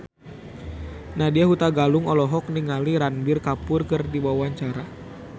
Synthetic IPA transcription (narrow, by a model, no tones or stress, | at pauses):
nahdiaɦut̪aɡalʊŋɔlɔɦɔk̚niŋaliɾanbɪrkapʊrkɨrdibawaɲt͡ʃaɾa